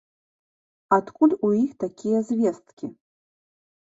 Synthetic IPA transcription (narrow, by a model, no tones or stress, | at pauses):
at̪kʰʼulʲujixt̪akʲijɛzʲvʲɛst̪kʲi